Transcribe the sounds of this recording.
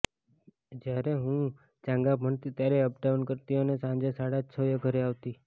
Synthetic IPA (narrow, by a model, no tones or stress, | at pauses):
d͡ʒjaɾeɦũ | t͡ʃãŋɡabʱəɳt̪it̪jaɾeəb̚d̪aʋənkəɾt̪iənesãɲd͡ʒesaɽat͡ʃʰəjəɡʱəɾeaʋt̪i